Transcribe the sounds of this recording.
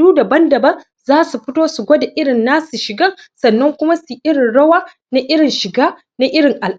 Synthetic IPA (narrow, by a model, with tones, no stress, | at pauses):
uː˦da˨bɐ˦ndɐ˨bɐ˦n | zaː˦su˨ɸɪ˦toː˦su˨ɡʷoː˦da˨ʔɪ˦ɽɪ˨nːaː˦su˨ʃɪ˨ɡɐ˦˨ | sɐ˨nːɐ˦ŋkʷʊ˦ma˦su˨ʔɪ˦ɽɪ˨nɽɐ˦waː˦ | na˦ʔɪ˦ɽɪ˨nʃɪ˨ɡaː˦ | na˦ʔɪ˦ɽɪ˨ŋʔa˨l